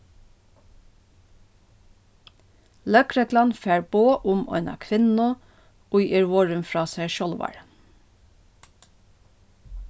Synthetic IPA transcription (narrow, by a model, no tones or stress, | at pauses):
lœkɾɛklɑnfæːɹboːʔʊmɔ̰ɪnɑ̰ːkʰʋɪnn̩ʊ | ʊʏʔəɹʋɔɹʉmfɹɑːsæʃɔlʋɑ̰ɹ